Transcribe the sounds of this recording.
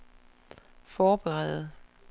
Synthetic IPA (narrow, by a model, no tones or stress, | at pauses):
fɒːb̥eʁɛ̰ð̩ˠ